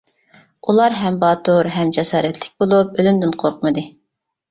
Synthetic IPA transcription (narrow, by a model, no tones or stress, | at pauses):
ulˠɑɾɦɛmbɑːt̪uɾɦɛmd͡ʒɛsɑːɾɛt̪ʰlɪk̚ʲbolˠup̚ølymd̪ɪnqʰoɾqʰmɨd̪ɨ